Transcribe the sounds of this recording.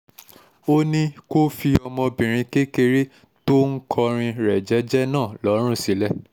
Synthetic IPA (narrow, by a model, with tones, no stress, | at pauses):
o˦nĩ˦ko˦fi˧ɔ˧mɔ̃˧bĩ˨ɾ̃ĩ˧ke˦ke˧ɾe˦ | to˦ŋ̩˦kʰɔ˧ɾ̃ĩ˧ɾɛ˨d͡ʒɛ˨˦d͡ʒɛ˦nãː˦˨lɔ˨˦ɾ̃ũ˦˨si˨˦lɛ˦